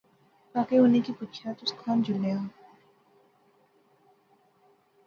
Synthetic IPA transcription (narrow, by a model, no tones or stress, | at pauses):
paːkeɦoːnekipuːtt͡ʃʰat̪ʊskʰaːnd͡ʒʊlːeãː